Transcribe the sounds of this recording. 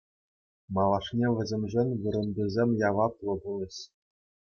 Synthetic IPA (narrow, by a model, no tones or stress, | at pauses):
mɑlˠɑʂnʲeʋʲɘ̆zʲĕmʲʐenʲʋɯɾɤ̆nd̪ɯzʲemʲjɑʋɑplˠɤ̆bulʲˠɤ̆ɕ